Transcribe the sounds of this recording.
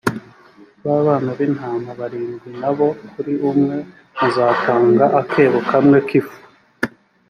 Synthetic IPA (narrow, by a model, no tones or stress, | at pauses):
βaβaːnaβinhaːmaβaɾiːnɡwinaβo̞kuɾiumŋe̞ | βuzaːtaːŋɡaʔakʰe̞ːβokʰamŋe̞kifu̥